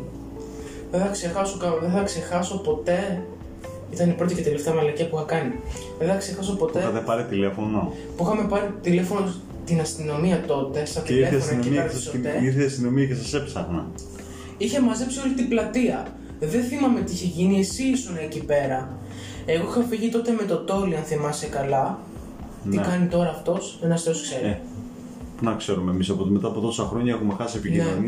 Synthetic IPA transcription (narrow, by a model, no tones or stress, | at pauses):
ðeθɐkse̞xɐsokɐðeθɐkse̞xɐso̞po̞t̪e̞ | it̪ɐnipɾo̞t̪ice̞t̪ele̞ft̪eɐmɐlɐciɐpuixɐkɐni | ðeθɐkse̞xɐs̬o̞po̞t̪eɐt̪epɐɾit̪ile̞fo̞no | puixɐme̞pɐɾit̪ile̞fo̞no | t̪inɐst̪ino̞miɐt̪o̞t̪e̞st̪ɐt̪ileonnimiɐɾssot̪eiɾθeɐst̪ino̞miɐcesɐsepsɐɣnɐ̰ | içemɐze̞psio̞lit̪iblɐt̪iɐ | ðenθimɐme̞t̪iiçeʝinie̞sisunɐːcipe̞ɾɐ | e̞ɣo̞ixɐfiʝit̪o̞t̪e̞met̪o̞t̪o̞liɐnθimɐsekɐlɐ | nikɐnit̪o̞ɾɐːft̪o̞senɐst̪eoskseɾi | punɐkse̞ɾumemisɐpot̪met̪ɐpot̪o̞sɐxɾo̞ɲɐkumexɐsepicinnoni